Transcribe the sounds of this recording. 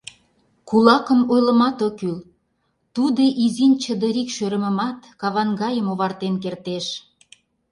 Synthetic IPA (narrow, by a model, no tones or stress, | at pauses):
kulɑkə̆mojlə̆mɑt̪okyl | t̪ud̪eʔizint͡ɕəd̪əɾikʃøɾəmə̆mɑt̪kɑβɑnɡɑjəmoβɑrt̪enkert̪eʃ